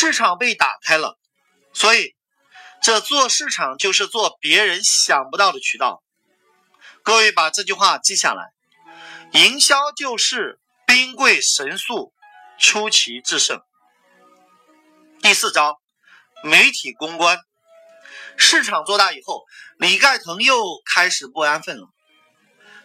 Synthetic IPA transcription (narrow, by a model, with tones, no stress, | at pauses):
ʂɻ̩˥˩ʈ͡ʂʰɑ˨˩ŋpe˥˩ɪt̪a̰˨˩kʰa˥ɪlə̰˨ | swɔ˧˥i˨˩˦ | ʈ͡ʂɤ˥˧t͡swɔ˥˧ʂɻ̩˥˩ʈ͡ʂʰɑ˨˩ŋt͡ɕjo˥˧ʊʂɻ̩˥˧t͡swɔ˥˩pjɛ˧˥ɻə˧˥nɕjɑ˨˩ŋpu˧t̪ɑ˥˩ʊd̪ə˩t͡ɕʰy˨˩t̪ɑ̰˥˩ʊ | kɤ˥˧we˥˩ɪpa˨˩ʈ͡ʂɤ˥˧t͡ɕy˥˧xwa˥˧t͡ɕi˥˧ɕja̰˥˩la̰˧˥ɪ | i˧˥ŋɕjɑ˥ʊt͡ɕjo˥˧ʊʂɻ̩˥˩ | pi˥ŋkwe˥˩ɪʂə˧˥nsu˥˩ | ʈ͡ʂʰu˥t͡ɕʰi˧˥ʈ͡ʂɻ̩˥˧ʂə̰˥˩ŋ | t̪i˥˧sɹ̩˥˩ʈ͡ʂɑ˥ʊ | me˧˥ɪt̪ʰi˨˩kʊ˥ŋkwa˥n | ʂɻ̩˥˩ʈ͡ʂʰɑ˨˩ŋt͡swɔ˥˧t̪a˥˩i˨˩xo˥˩ʊli˨˩ka˥˩ɪt̪ʰɤ˧˥ŋjo˥˩ʊkʰa˥ɪʂɻ̩˨˩pu˥˩a˥nfə˥˩n˧˥